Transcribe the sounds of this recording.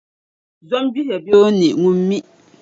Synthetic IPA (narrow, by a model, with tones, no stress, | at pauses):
zɔ˦mbi˦hɛ˨bjo˦ni˨ʔŋu˦mː˦i˦ʔ